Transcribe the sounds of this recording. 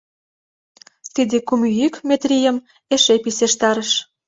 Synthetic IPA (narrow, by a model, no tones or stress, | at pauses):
t̪id̪ekumyjykmet̪rʲijəm | eʃepiseʃt̪ɑɾəʃ